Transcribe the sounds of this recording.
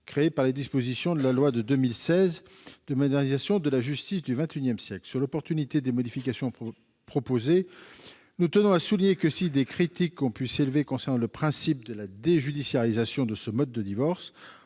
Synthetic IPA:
kχeepaʁled̪ispozisjɔ̃d̪əlalwad̪əd̪ømilsɛz | d̪̥əmɔd̪ɛʁnizasjɔ̃d̪əlaʒyst̪isd̪yvɛ̃t̪ynjɛmsjɛklsyʁlɔpɔʁt̪ynit̪ed̪emɔd̪ifikasjɔ̃ | pχɔpoze | nut̪ənɔ̃asuliɲekəsid̪ekχit̪ikːɔ̃pɥiselvekɔ̃sɛʁnɑ̃ləpχɛ̃sip̚d̪əlad̪eʒyd̪isjaʁizasjɔ̃d̪əsəmɔd̪ːəd̪ivɔʁs

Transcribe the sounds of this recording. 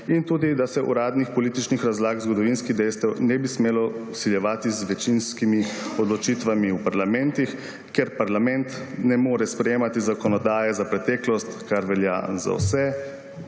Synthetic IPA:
int̪uːd̪id̪asɛʔṵɾaːd̪nixpɔliːt̪it͡ʃnixɾazlaːɡzɡɔd̪ɔʋinskiɣd̪ɛjst̪ɛwnɛbismeːlɔsiljɛʋaːt̪izʋɛt͡ʃinskimiɔd̪lɔt͡ʃit̪ʋamiupaɾlamɛnt̪ix | keɾpaɾlamɛnt̪nɛmoːɾɛspɾɛjeːmat̪izakɔnɔd̪aːjɛzapɾɛt̪ɛːklɔst̪kaɾʋɛlja̰za̰wsɛ

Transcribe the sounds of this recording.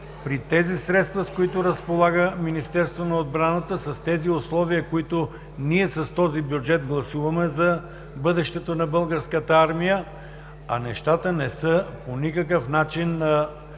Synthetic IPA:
pɾit̪ɛzisɾɛt̪st̪vɐskoit̪ʊɾəspolˠaɡəminist̪ɛɾst̪vonɐod̪bɾanət̪əsɐst̪ɛziʊslˠɔviəkoit̪ʊ | niɛsɐst̪ɔzibjud͡ʒɛd̪ɡlˠɐsuvɐmɛzɐ | bɤd̪ɛʃt̪ɛt̪onɐbɤlˠɡəɾskət̪əaɾmijə | ɐ̰nɛʃt̪at̪ənɛsəponikək̬əfnat͡ʃinːɐ

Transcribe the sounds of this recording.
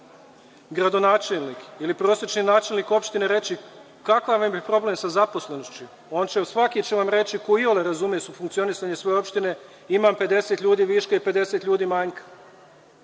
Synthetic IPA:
ɡɾad̪o̞naːt͡ʃelnikilipɾoːsjet͡ʃninaːt͡ʃe̞lniko̞pʃt̪ine̞ɾe̞t͡ɕi | kakaʋambipɾo̞ble̞msazapo̞slˠe̞noʃt͡ɕu | o̞ːnt͡ɕesʋakit͡ɕeʋamɾe̞t͡ɕikoioleɾazumijesufuŋkt̪sio̞nisaɲesʋo̞eo̞pʃt̪ine̞ | imampe̞d̪e̞se̞t̪ʎʲuːd̪iːʋiʃkaipe̞d̪e̞se̞t̪ʎʲuːd̪iːmaɲkḁ

